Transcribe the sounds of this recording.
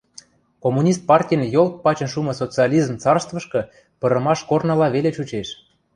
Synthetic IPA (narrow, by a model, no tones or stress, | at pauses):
komunʲist̪̚pɑrtʲijənjolt̪̚pɑt͡ɕə̆nʃumɤ̆sot͡sɨɑlʲizmt͡sɑrst̪və̆ʃkɤ̆ | pɤ̆ɾə̆mɑʃkornə̆lɑβelet͡ɕut͡ɕeʃ